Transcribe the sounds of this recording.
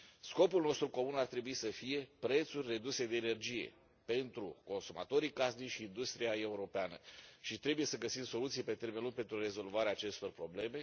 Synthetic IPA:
sko̞pulno̞st̪ɾuko̞munart̪ɾe̞buisəfije̞pɾe̞t̪surʲre̞d̪use̞d̪e̞ːne̞rd͡ʒije̞̰ | pe̞nt̪ɾṵko̞nsuma̰t̪o̞ɾikasniʃiːnd̪ust̪ɾijae̞uɾo̞peanə̰ʃit̪ɾe̞buje̞səɡəsimso̞lut̪sijepe̞t̪e̞rme̞nluŋɡ̚pe̞nt̪ɾure̞zo̞lvaɾeaːt͡ʃe̞st̪o̞rpɾo̞ble̞me̞

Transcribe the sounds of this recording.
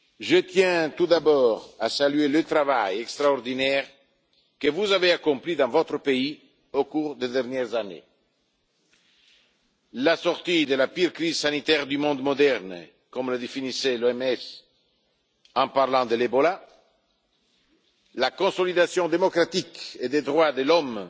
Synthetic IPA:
ʒət̪jɛ̃t̪ud̪abɔːʁasalyelət̪ɾava̰jɛkst̪ɾaɔʁd̪inɛʁ | kəvuzaveakɔ̃plid̪ɑ̃vɔt̪ɾəpei | okuʁd̪ed̪ɛʁnjɛʁzanḛ | lasɔʁt̪id̪əlapiʁkɾizsanit̪ɛʁd̪ymɔ̃d̪mod̪ɛʁn | kɔmləd̪efinisɛloɛmɛs | ɑ̃paʁlɑ̃d̪əlebɔla | lakõsolid̪asjɔ̃d̪emokɾat̪iked̪ed̪ʁwad̪əlɔm

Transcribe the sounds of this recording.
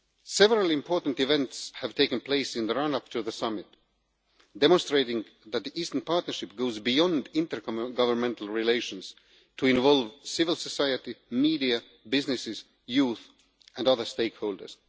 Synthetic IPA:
sɛvəɹəlˠɪ̃mpʰɔɹtn̩tɨvɛ̃ntshɨv̥tʰeɪkɨ̃npʰleɪsɨ̃nðəɹʌ̃nʌp̚tʰuðəsʌmɪt | d̥ɛmɔ̃nstɹ̥eɪɾɪ̃ŋ | ðæt̪̚ðiʔiːstənpʰɑɹtⁿnə˞ʃɪp̚ɡ̥oʊzbijɔ̃ndɪ̃ntə˞kɡʌvə˞mɛ̃ntl̩ˠɹɪleɪʃə̃nz̥ | tʰuɪ̃nvɔlˠvsɪvɪl̩ˠsəsaɪɨtimiːɾiɨ | bɪznɪsɪz̥ | juθ | ɨ̃nʌðə˞steɪkhoʊlˠdə̰˞z̥

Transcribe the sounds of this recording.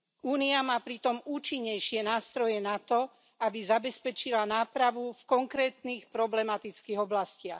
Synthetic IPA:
uːniamaːpɾit̪ɔmuːt͡ʃiɲːɛjʃɪɛnaːst̪ɾɔjɛnat̪ɔ | abizabɛspɛt͡ʃilanaːpɾaʋufkɔŋkɾɛːt̪niːxpɾɔblɛmat̪it͡skiːɣɔblascɪax

